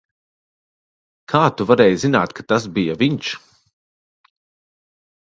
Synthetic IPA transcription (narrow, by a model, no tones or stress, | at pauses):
kʰaːt̪uvaɾɛːjzina̰ːt̪kat̪asbijaviɲt͡ʃ